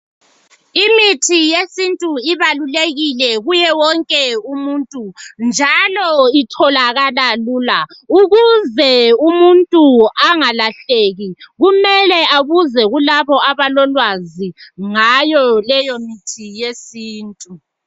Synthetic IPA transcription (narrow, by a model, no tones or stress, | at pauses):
imitʰijesintʼuiβaluleɣilɛɣujɛwɔŋkʼɛumuntʼund͡ʒʱalɔitʰɔlaɣalaluːlauɣuzɛumuntʼuaŋalaɬeːɣiɣumɛlɛaβuzɛɣulaβɔaβalɔlwaziŋajɔlɛjɔmitʰijesiːntʼu